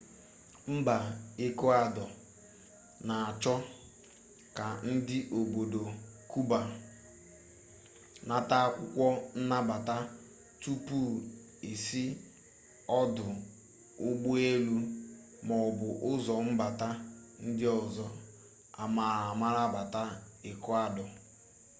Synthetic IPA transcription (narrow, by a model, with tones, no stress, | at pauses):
m̩˦ba˨e˦ko˦a˦dɔ˨ | na˨a˨t͡ʃɔ˦ | ka˨n̩˦dɪ˦ʔo˨ɡ͡bo˨do˨ku˦ba˨ | na˦ta˦kʷʊ˦kʷɔ˦n̩˦na˦ba˨ta˦ | tu˦pu˦˨ | e˨si˦ | ɔ˦dʊ˨ | ʊ˦ɡ͡bu˦e˦lu˦ | mɔ˨bʊ˨ʔʊ˦zɔ˨m̩˦ba˨ta˦ | n̩˦dɪ˦ɔ˨zɔ˦ | a̰˨ma˨ɾa˨ma˦ɾa˦ba˨ta˦ | ɪ˨kɔ˦a˦dɔ˨